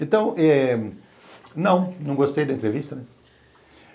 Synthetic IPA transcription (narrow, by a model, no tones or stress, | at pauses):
ẽnt̪ɐ̃w̃ɛ | nɐ̃w̃nɐ̃w̃ɡost̪ejd̪ɐẽnt̪ɾevist̪ɐnɛ